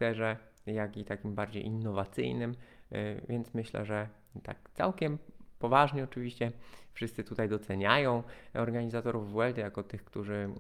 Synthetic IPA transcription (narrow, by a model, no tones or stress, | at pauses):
t̪ɛʐɛ | jakʲit̪akʲimbaɾd͡ʑḛjʔinːɔvat̪sɘ̰jnɘmvʲjɛnt̪smɘɕlɛ̰ʐɛ | t̪a̰k̚t̪sa̰wkʲɛmpɔvaʐɲɛɔt͡ʂɘvʲiɕt͡ɕɛfʂɘst̪sɘt̪ut̪ajd̪ɔt̪sɛɲajɔ̃w̃ɔɾɡaɲizat̪ɔɾuvːwɛld̪jakɔt̪ɘxkt̪uʐɘ